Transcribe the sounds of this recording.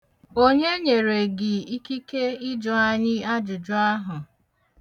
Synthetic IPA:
o˦ɲe˦ɲe˨ɾe˨ɡɪ˨i˦ki˦ke˦ɪ˦d͡ʒɔ˨a˦ɲɪ˦a˦d͡ʒʊ˨d͡ʒʊ˦a˦ɦʊ˨

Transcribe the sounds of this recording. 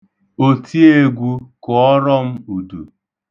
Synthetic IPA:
o˨tʰi˦e˦ɡʷu˦kʊ˨ɔ˦ɾɔ˦m̩˦u˨dṵ˨

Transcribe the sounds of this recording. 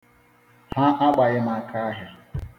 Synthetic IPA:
ha˦ʔa˦k͡pa˨ɣɪ˦ma˦kʰa˦ɦɪ˨

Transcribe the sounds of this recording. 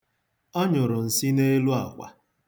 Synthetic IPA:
ɔ˦ɲʊ˨ɾʊ˨n̩˨si˦ne˦lu˦a̰˨kʷa̰˨

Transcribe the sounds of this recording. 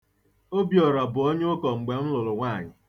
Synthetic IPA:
o˦bjɔ˨ɾɔ˨bʊ˨o˦ɲʊ˦kɔ˨ŋ͡m̩˨ɡ͡be˨m̩˦lʊ˨lʊ˨ŋʷaː˦˨ɲɪ˨

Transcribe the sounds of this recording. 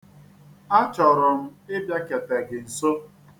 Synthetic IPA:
a˦t͡ʃɔ˨ɾʊ˨m̩˦ɪ˦bja˦ke˨tɛ˨ɡɪ˨n̩˨so˦

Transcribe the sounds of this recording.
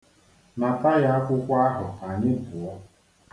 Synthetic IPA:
na˨ta˦ja˦a˦kʷʊ˦kʷa˦a˦ɦʊ˨a˨ɲɪ˦bʊ˨ɔ˦

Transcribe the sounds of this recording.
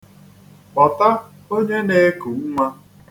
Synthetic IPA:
k͡pɔ˨ta˦ | o˦ɲe˦ne˦ku˨˦u˦ŋʷa˦

